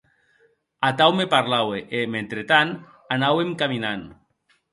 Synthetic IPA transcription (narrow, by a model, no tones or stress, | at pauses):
at̪awmepaɾlaweʔement̪ɾet̪an | anawemkaminan